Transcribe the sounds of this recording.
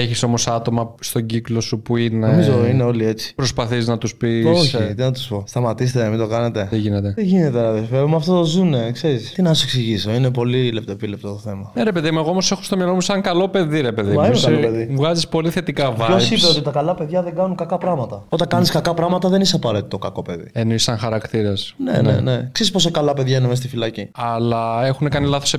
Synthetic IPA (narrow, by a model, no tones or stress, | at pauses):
eçiso̞mo̞sɐt̪o̞mɐst̪o̞ɟiklo̞supuineomizoineo̞lie̞t͡si̥pɾo̞spɐθiznɐt̪uspioçit̪inɐt̪u̥spo̞st̪ɐmɐt̪is̬et̪enɐmid̪o̞kɐne̞t̪e̞t̪iʝinet̪e̞t̪iʝine̞t̪eɾɐðefevumɐft̪ot̪o̞zune̞kse̞ɾist̪inɐseksiʝisoine̞po̞lilep̚t̪opile̞p̚t̪ot̪oθe̞mɐneɾepe̞ðimueɣoomose̞xost̪omjɐlomusɐŋkɐlo̞pe̞ðiɾe̞pe̞ðimɐikɐlopeðivɣɐzispo̞liθe̞t̪ikɐvosipeot̪it̪ɐkɐlɐpe̞ðʝɐðeŋɡɐnuŋkɐkɐpɾɐɣmɐt̪ɐo̞t̪ɐkɐniskɐkɐpɾɐɣmɐt̪ɐðe̞niseɐpɐɾe̞t̪i̥t̪o̞kɐko̞pe̞ðḭenoisɐŋxɐɾɐkt̪iɾesnḛnḛne̞kseɾispo̞sekɐlɐpe̞ðʝɐinemes̬t̪ifilɐciɐlɐe̞xunekɐnilɐθo̞se